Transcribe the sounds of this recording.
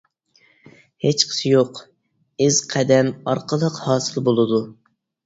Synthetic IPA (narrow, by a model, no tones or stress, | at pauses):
het͡ʃqʰə̥sɪjoq | ɪz̥qʰɛd̪ɛmɑɾqʰəlˠəqhɑːsɨlˠbolˠɨd̪u